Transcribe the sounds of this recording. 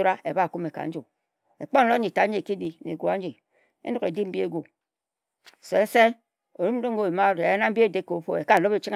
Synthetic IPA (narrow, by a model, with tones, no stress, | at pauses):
ɾa˦e˨ba˦˨ku˦me˨ka̰˨n̩˦d͡ʒu˨ | e˨k͡po˦n̩˦lo˦ɲi˨ta˨˦d͡ʒi˨ki˦di˨nḛ˨ɡʷu˨a˦d͡ʒi˨ | ḛ˦no˦ke˨di˦m̩˦bi˦e˦ɡʷu˨ | se˨˦n̩˦se˦ | o˨ɾu˦m̩˦o˦ŋ̩˦ɡo˦˨i˨ma˦ɾe˨a˦na˦m̩˦bi˦e˦˨de˦˨ko˨˦fo̰˨e˨ka˦˨lo˦be˨t͡ʃi˦ŋ˦